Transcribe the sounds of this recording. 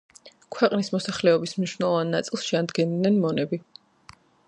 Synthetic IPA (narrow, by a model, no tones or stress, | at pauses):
kʰwɛqʼnismɔsaχlɛɔbismniʃwnɛlˠɔvanːat̪sʼilˠsʃɛand̪ɡɛnd̪nɛnmɔnɛbi